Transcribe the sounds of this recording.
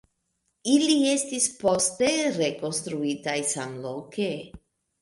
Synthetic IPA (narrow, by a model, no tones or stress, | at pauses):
ilie̞stispo̞ste̞ɾe̞ko̞nst̪ɾuitajsamlo̞ke